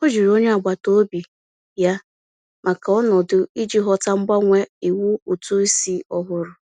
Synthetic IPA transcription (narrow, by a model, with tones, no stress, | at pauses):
o˦d͡ʒi˨ɾo˦ɲe˦a˨ɡ͡ba˨to˦bi˨ | ja˦ | ma˨ka˨ɔ˦nɔ˨dʊ˨i˦d͡ʒi˦ɦɔ˦ta˦ŋ͡m̩˦ɡ͡ba˦ŋʷe˦i˨wu˦o˨tu˦i˦si˦ɔ˦ɦʊ˦ɾʊ˨